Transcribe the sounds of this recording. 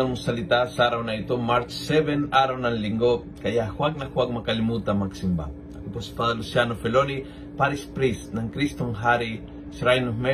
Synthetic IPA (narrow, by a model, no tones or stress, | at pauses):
anmosalit̪asaɾawnait̪omaɾt͡ʃseβenaɾananliŋɡo | kajahwaknahwakmakalimut̪amaksimba̰ | akuposi̥paðalusjanofeloni | paɾispɾisnaŋkɾist̪oŋɦaɾi | sɾajnome